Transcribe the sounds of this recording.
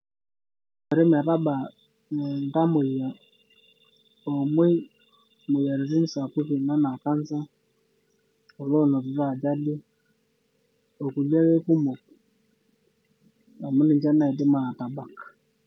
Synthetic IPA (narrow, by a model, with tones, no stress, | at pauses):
o˨ɾɪ˦m˨a˨ta˦ba˨ | n˨n̩˨˦da˦mo˨ja˨ | o˨m˦e˦ | mo˨ja˨ɾi˨ɾi˦n̩˦sa˨ku˦ki˨na˦na˨ka˦n˦sa˦ | o˨lo˦˨nɔ˨ɾi˨ɾa˦˨d͡ʒa˦dɪ˦ | o˨ku˨la˦we˦ku˦mo˨k | a˨mʊ˦nɪ˨n˦d͡ʒa˦na˨i˨dɪ˦ma˨a˨ta˨ba˦˨k